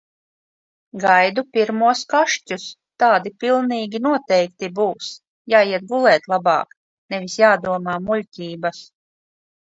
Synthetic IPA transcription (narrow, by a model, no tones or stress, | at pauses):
ɡajd̪upʲiɾmuɔskaʃcʲus | t̪aːd̪ipilˠniːɡʲinuɔt̪ɛjk̚t̪ibuːs | jaːjiɛt̪̚ɡulˠɛːt̪lˠabɑ̰ːk | nɛvʲisjaːd̪uɔmaːmulʲcʲiːbɐs